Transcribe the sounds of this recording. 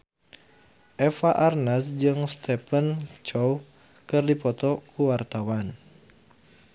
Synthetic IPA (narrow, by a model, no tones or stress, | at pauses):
ʔɛfaʔarnasd͡ʒɨŋst̪ɛpənt͡ʃɔw | kɨrdipɔt̪ɔkʰuwart̪awan